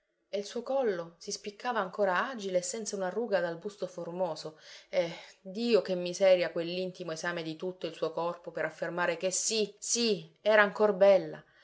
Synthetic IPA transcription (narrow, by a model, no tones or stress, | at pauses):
eilsuːokɔlːosispikːaːvaːŋkoːɾaaːd͡ʒileːsːɛnt̪saunaruːɡad̪albust̪oformoːsoed̪iːokemːizɛːɾjakwelːint̪imoezaːmed̪it̪ut̪ːoilsuːokɔrpopeɾafːermaːɾekesːisiɛːɾaːŋkorbɛlːa̰